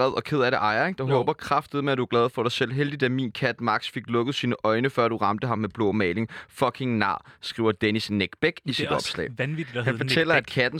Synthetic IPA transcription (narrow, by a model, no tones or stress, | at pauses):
ɛðˠɒ̽kʰe̝ð̞̰ˠæɐɾe̝ʔɑ̈ɪɐeɡ̥d̥ɑɦɔ̽ːb̥ɐkʰʁɑfd̥ð̩ˠmeæd̥uɐɡ̥lɛːðˠfɒɾ̥ɑ̈ɪsel̰ˠɦeld̥id̥æmḭnkʰæd̥mɑ̈ɡ̥sfe̝ɡ̥lɔ̽ɡ̥ð̞̩ˠsiːnəʔɒ̽ɪnəfɶɐ̰d̥uʁɑ̈md̥əɦɑ̈mːeb̥lɔ̰ːmɛːle̝ŋfɒkʰe̝ŋnɑ̈ːsɡ̥ʁḭʊ̰ɐd̥enisneɡ̥b̥eɡ̥isiddɒ̽b̥slɛ̰ːɪni̥hænfɒt͡sʰel̰ɐæd̥kʰæd̥n̩